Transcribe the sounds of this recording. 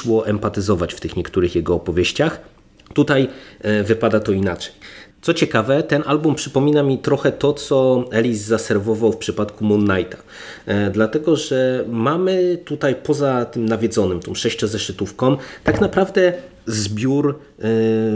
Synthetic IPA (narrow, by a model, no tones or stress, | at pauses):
wɔʔɛmpat̪ɘzɔvat͡ɕft̪ɘxɲɛkt̪uɾɘxjɛɡɔːpɔvʲjeɕt͡ɕax | t̪ut̪ajvɘpad̪at̪ɔinat͡ʂɛ̥jt̪sɔt͡ɕɛkavɛt̪ɛnʔalbumpʂɘpɔmʲinamʲit̪ɾɔxɛt̪ɔt̪sɔɛlʲizːasɛɾvɔvawfpʂɘpat̪kumunːajt̪ḁ | d̪lat̪ɛɡɔʐɛmamɘt̪ut̪ajpɔzat̪ɘmnavʲjɛd̪zɔnɘmt̪ɔ̃mʂɛɕt͡ɕɔ̃zɛʂɘt̪ufkɔ̃mt̪aknapɾavd̪ɛ | zbʲjuɾ